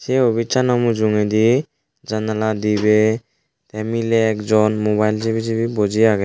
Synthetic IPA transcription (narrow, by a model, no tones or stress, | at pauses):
seobit͡ʃʰanɔmud͡ʒuŋed̪i | d͡ʒanalad̪ibe | t̪ɛmileɛkd͡ʒɔnmobajld͡ʒibid͡ʒibibod͡ʒiaɡe